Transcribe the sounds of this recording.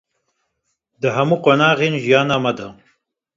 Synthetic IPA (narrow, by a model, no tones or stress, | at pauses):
d̪ɨɦɐmuːqonɑːɣeːnʒijɑːnaːmɐd̪ɐ